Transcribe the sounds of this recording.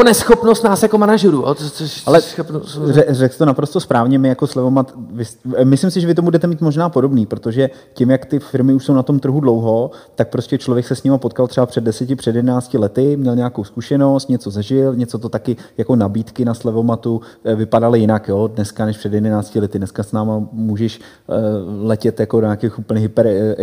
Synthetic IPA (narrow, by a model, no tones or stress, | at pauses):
t̪onɛsxopnost̪naːsjakomanaʒuɾujo̰ooʃalɛopɛrɛksɪ̥t̪onapɾost̪ospɾaːvɲɛmɪjako̞slɛvomat̪vɪsmɪslɪmsɪʒɛvɪt̪̬omubudɛt̪ɛmiːt̪mo̞ʒnaːpo̞do̞bniːpɾot̪o̞ʒɛ | cɪmjakt̪ɪfɪɾmɪuʃso̞wnat̪o̞mt̪r̩ɦudlo̞wɦo̞t̪ak̚pɾo̞scɛt͡ʃlo̞vjɛksɛsɲɪmapo̞t̪kalt̪r̥ɛbapr̥ɛdɛsɛcɪpr̝̥ɛdjɛdɛnaːt͡scɪlɛt̪ɪmɲɛlɲɛakowskuʃɛno̞st̪ɲɛt͡so̞zɛʒɪlɲɛt͡so̞t̪ot̪akɪjako̞nabiːt̪kɪnaslɛvomat̪u | vɪpadalɪjɪnakjo̞ːdnɛskanɛʃpr̥ɛdjɛdɛnaːt͡scɪlɛt̪ɪdnɛskasnaːmamuːʒɛʃ | lɛcɛt̪jakodoɲaːkexʔupl̩ɲɛɦɪpɛɾ